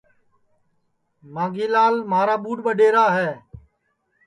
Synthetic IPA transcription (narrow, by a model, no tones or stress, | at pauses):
mãːɡiːlaːlmaːɾaːɓuːɖɓəɗeːɾaːɦɛː